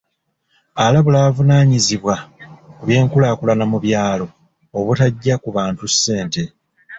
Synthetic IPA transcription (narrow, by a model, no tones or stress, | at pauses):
alaβulavunaːɲiziβwakuβje̞ːŋkulaːkulanamuβjaːlo̞ː | βutaɟːakuβaːntusːe̞ːnte̞